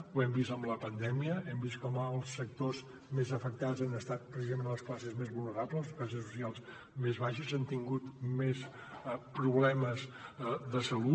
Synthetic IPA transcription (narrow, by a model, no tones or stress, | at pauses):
uɛmbist̪əmləpənd̪ɛmiəɛmbist̪kɔməːlˠsːək̚t̪oz | mezəfək̚t̪azanəst̪at̪̚pɾəsizəmẽnləsklasəzmezβulˠnəɾapləs̬klas̬əsu̥sialˠz | mezβaʃəzant̪iŋɡut̪mes | pɾuβlɛməzðəsəlu